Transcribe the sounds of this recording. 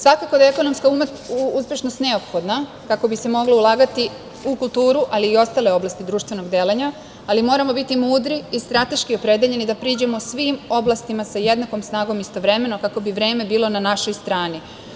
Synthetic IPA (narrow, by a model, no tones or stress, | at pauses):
sʋakako̞d̪aeko̞no̞mskaum | uuspʲje̞ʃno̞st̪ne̞o̞pxo̞d̪na | kako̞bise̞mo̞ɡloulˠaːɡat̪i | ukulˠt̪uːɾuʔaliːo̞st̪aːle̞o̞blˠast̪id̪ɾuːʃt̪ʋe̞no̞ɡd̪eːleɲa | alimo̞ːɾamo̞bit̪imuːd̪ɾiːst̪ɾat̪e̞ʃkio̞pɾe̞d̪eʎe̞nid̪apɾiːd͡ʑemo̞sʋimo̞blˠast̪imasaje̞d̪nako̞msnaːɡo̞mist̪o̞ʋɾe̞me̞no̞kako̞biʋɾe̞ːme̞biːlo̞nanaʃo̞jst̪ɾaːni